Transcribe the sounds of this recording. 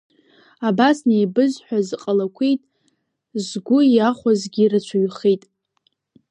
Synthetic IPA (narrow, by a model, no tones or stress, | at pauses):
abasnejbɨzħʷᶣazqʼalakʷʰejtʼ | zɡʷʊaχʷazɡʲirat͡ʃʷʰaɥχejtʼ